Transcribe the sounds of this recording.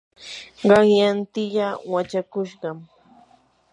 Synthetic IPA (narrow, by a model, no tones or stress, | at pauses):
ɢɑŋjant̪ɪʎawat͡ʃakʊʃɢɑm